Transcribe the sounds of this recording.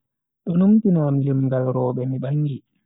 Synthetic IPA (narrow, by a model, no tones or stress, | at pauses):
ɗɔnumtinaːmjimɡalɾɔːɓɛmiɓaŋːɡi